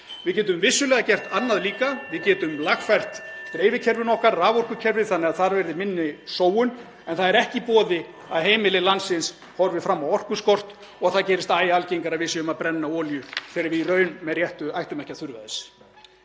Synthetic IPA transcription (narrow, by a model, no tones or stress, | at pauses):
vɪðcɛːt̪̬ʏmvɪsːʏlɛːɣacɛr̥t̪anːaðliːkavɪðcɛːt̪ʏmlaxfajr̥t̪t̪ɪɾejvɪcʰɛɾvɪnɔhkaɾːaːvɔr̥kʏcʰɛɾvɪθanːɛɣaðθaɾvɛɾðɪmɪnːɪsoːwʏn | ɛnθaðɛɾɛhcɪpɔːðɪ | aðheːjmɪlɪlansɪns | hɔɾvɪfɾamːawɔr̥kʏskɔr̥t̪ | ɔɣθaðcɛːɾɪst̪aːjaalceiŋkaɾaðvɪsɛʏmaðpɾɛnːaɔːljʏθɛɾaɾvɪirœːɥnmɛðrjɛht̪ʏajht̪ʏmɛhcːaθʏɾvaðɪs